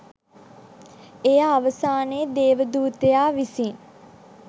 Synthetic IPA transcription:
ejaːʋəsaːneːd̪eːʋəd̪uːt̪ejaːʋisiŋ

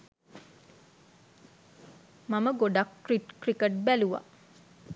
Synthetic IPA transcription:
maməɡoɖakːriʈkrikəʈ̚bæluʋa̰

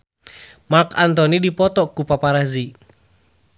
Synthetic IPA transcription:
makant̪ɔnidipɔt̪ɔkupapaɾazi

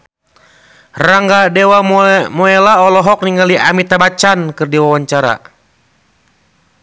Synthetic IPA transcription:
raŋɡadɛwamɔɛlaɔlɔɦɔk̚niŋɡaliʔamit̪abat͡ʃankɨrdiwawaɲt͡ʃaɾa̰

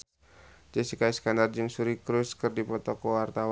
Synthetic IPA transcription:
d͡ʒəsikaiskandard͡ʒɨŋsuɾikɾuskɨrdipɔt̪ɔkɔwart̪aw

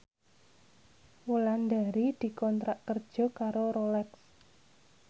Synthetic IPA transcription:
wuland̪aɾid̪̥i̤kɔnt̪ɾaʔkərd̥ʒ̥ɔ̤kaɾoɾolɛks

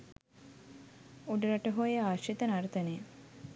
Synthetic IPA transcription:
uɖəɾaʈəɦojəaːʃit̪ənaɾt̪ənəjə

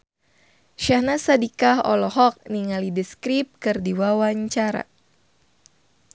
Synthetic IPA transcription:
ʃahnasadikaɦɔ̰lɔɦɔk̚niŋalidəskɾip̚kɨrdiwawaɲt͡ʃaɾa̰

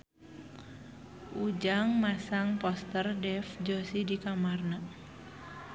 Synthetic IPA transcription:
ʔud͡ʒaŋmasaŋpɔst̪ərdɛfd͡ʒosidikamarna

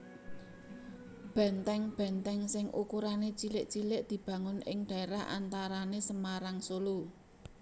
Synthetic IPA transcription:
b̥ɛ̤nt̪ɛŋb̥ɛ̤nt̪ɛŋsɪŋʔṵkuɾanet͡ʃilɪʔt͡ʃilɪʔd̪̥i̤b̥ä̤ŋʊnɪ̰ŋɖ̥ä̤eɾaɦʔa̰nt̪aɾanesəmaɾaŋsolu

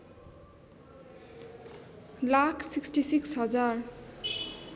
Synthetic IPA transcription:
lakʰsiksʈisiksɦʌd͡zar

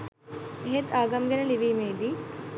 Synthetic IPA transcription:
ɦed̪aːɡɐmɡɐnɐliʋimeːd̪i

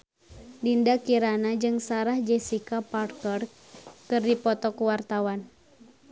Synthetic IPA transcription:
dindakiɾanad͡ʒɨŋsaɾahd͡ʒɛsikaparkər | kɨrdipɔt̪ɔkuwart̪awan

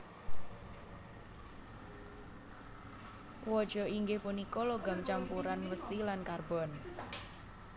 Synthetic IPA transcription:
wɔd̥ʒ̥ɔ̤iŋɡɪhpunikɔlɔɡamt͡ʃampuɾanwəsilankarbɔ̤n

